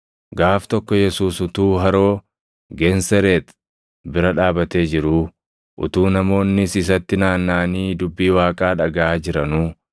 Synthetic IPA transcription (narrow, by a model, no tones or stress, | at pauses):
ɡaːft̪ɔkːɔjɛsuːsʊt̪uːɦɐɾo̞ː | ɡɛnsɛɾeːt̪ | bɪɾɐᶑaːbɐt̪e̞ːd͡ʒɪɾuː | ʔʊ̰t̪uːnɐmo̞ːnːɪsɪs̬ɐt̪ːɪnaːnːaːniːd̪ʊbːiːwaːkʼaːᶑɐɡɐʔaːd͡ʒɪɾɐnuː